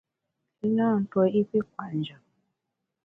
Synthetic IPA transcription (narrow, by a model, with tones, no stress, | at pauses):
i˦ɲa˦˨n̩˨tɔ˦i˦ki˦kwa˨ɲd͡ʒa˨